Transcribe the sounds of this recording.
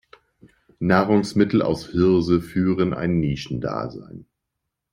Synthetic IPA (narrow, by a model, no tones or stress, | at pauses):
naːʁʊŋsmɪtl̩a̰ʊshɪɐzəfyːʁənʔa̰ɪnːiːʃn̩da̰ːza̰ɪn